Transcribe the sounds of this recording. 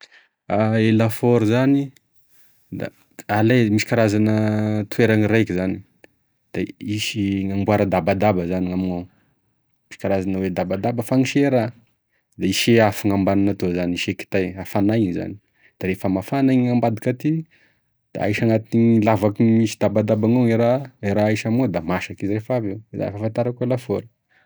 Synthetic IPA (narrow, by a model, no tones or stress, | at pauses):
aelafoɾzani | d̪a̰ | alejmisi̥kaɾazanət̪uweɾaŋiɾajkizani | d̪̥aisiŋambuaɾəd̪abad̪abəzaniamina | misi̥kaɾazanəwed̪abad̪abəfaŋiʃeɾa | d̪aiʃeafiŋambananat̪ozaniʃeki̥t̪ajafanajza̰ni̥ | d̪̥aɾefəmafanaɲiŋambad̪ikat̪i | d̪̥a̰aiʃaŋat̪iŋlavakimisid̪abad̪abaŋoŋeɾaeɾaaʃamad̪amaʃakizirefaveza̰fafant̪aɾakelafoɾə̥